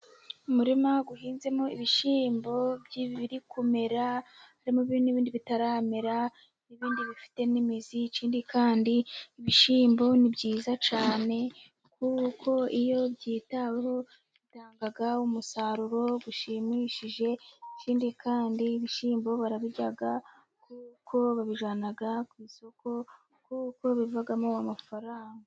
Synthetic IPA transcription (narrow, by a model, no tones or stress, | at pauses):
umuɾimaɡuhiːnze̞mo̞iβiʃiːmbo̞bɟiββiɾikume̞ɾahaɾimoβiniβiːndiβitaɾaːmeɾa | niβiːndiβifi̥te̞nimizit͡ʃiːndikaːndiːβiʃiːmbo̞nibɟiːzat͡ʃaːne̞ | kuko̞ijo̞bɟiːtaweho̞ | βitaːŋɡaɡaumusaɾuɾo̞ɡuʃimiʃiʒe̞t͡ʃiːndikʰaːndiːβiʃiːmbo̞βaɾaβiɟaɡa | kukʰo̞βaβiʒaːnaɡakwiːso̞ko̞ | kuko̞βivaɡamoamafaɾaːŋɡa